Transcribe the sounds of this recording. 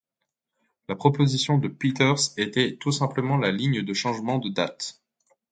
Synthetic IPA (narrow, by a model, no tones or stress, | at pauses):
lapχɔpozisjɔ̃d̪əpit̪ɛʁset̪ɛt̪usɛ̃pləmɑ̃laliɲd̪əʃɑ̃ʒmɑ̃d̪əd̪at̪